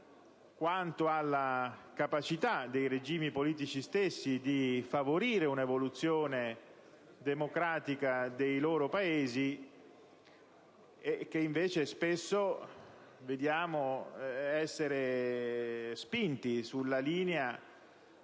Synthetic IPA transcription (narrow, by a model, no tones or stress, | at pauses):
kwant̪oalːakapat͡ʃit̪ad̪ejɾed͡ʒiːmipoliːt̪̬it͡ʃist̪esːid̪ifavoɾiːɾeunevolut̪sːjoːne | d̪emokɾaːt̪ikad̪ejloːɾopaeːzi | ɛk̟ːeiɱveːt͡ʃespesːo | ved̪jaːmo | ɛsːeɾe | spint̪isulːaliːnea